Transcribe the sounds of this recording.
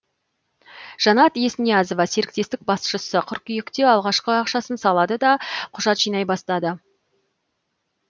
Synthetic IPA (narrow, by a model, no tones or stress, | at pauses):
ʒ̥ɑnɑt̪je̞snijɑzo̞vɑse̞ɾɪk̚t̪e̞st̪ɪk̚bɑsʃəsəqʰʏɾkʲʏjɪkt̪e̞ɑlˠʁɑʃqəɑqʃɑsənsɑlˠɑd̪əd̪ɑqʰʊʒɑt̪ʒijnɑjbɑst̪ɑd̪ə